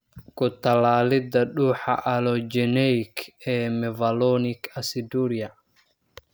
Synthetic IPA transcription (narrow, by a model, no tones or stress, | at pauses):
kʰʊt̪ʰɐlaːlɪd̪ɐɖuːħɑ̰ʔɐlɔd͡ʒɛnɛkʰɛːmɛvɐlɔnɪkʰɐsɪd̪uɾɪjɐ